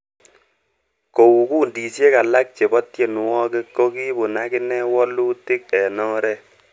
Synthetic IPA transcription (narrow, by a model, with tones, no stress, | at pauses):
ko˨wu˨kuː˦ndi˨sje˦ka˨la˦k̚t͡ʃe˨bɔ˦tje˦˨n˨wɔ˦ke˦kːo˦ki˦bʊ˨na˦kɪ˦nɛ˦wɔ˦lu˦tɪ˦k̚ɛ˨nɔ˦ɾɛ˦